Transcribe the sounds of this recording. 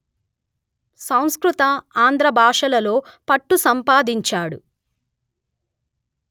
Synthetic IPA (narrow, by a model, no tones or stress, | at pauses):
sɐw̃skɾut̪ɐaːnd̪ɾɐbʱaːʂɐlɐlo̞ːpɐʈːusɐmpaːd̪iɲt͡ʃaːɽṵ